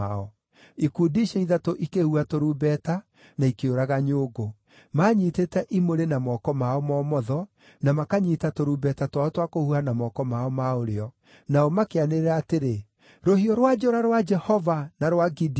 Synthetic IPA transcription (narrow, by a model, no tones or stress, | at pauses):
aɔ | ikuːdiʃɛiðatoʔikehuatoɾubɛta | naikeoɾaɣaɲoːɡo | maːɲiːtetɛʔimoɾenamɔkɔmaɔmɔːmɔðɔ | namakaɲitatoɾuːbɛtatwaɔtwakohuanamɔːkɔmaɔmaoɾeɔ | naɔmakeaneeɾaːteɾe | ɾohiɔɾwad͡ʒoɾaɾwad͡ʒɛhɔvanaɾwaɡid